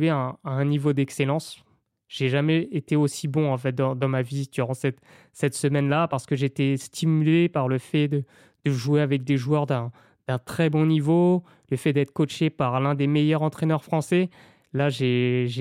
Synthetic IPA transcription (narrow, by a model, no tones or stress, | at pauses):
eaːɛ̃nivod̪ɛkselɑ̃s | ʒ̥eʒamɛet̪eosibɔ̃ɑ̃fɛt̪̚d̪ɑ̃d̪ɑ̃maviid̪yʁɑ̃sɛt̪ | sɛt̪səmɛnlapaʁsə̥kəʒeːt̪est̪ʰimylepaʁləfɛd̪ə | d̪̥əʒuweavɛk̚d̪eʒuœʁd̪ɛ̃ | d̪̥ɛ̃t̪χɛbɔ̃nivo | ləfɛd̪ɛt̪χə̥kot͡ʃepaʁlɛ̃d̪emejœʁɑ̃t̪χenœʁfχɑ̃sɛ | laʒeʒe